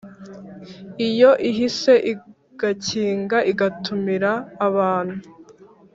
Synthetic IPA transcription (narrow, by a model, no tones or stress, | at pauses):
ijo̞ʔiɦise̞ʔi | ɡ̥aciːŋɡaʔiɡatumiɾaːβaːn̥hu